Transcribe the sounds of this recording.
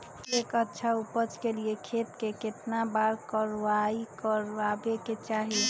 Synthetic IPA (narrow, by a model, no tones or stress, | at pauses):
ekətːʃʰaupət͡ʃkeliekʰet̪keket̪nabaɾkəɾʋaikəɾabeket͡ʃaɦi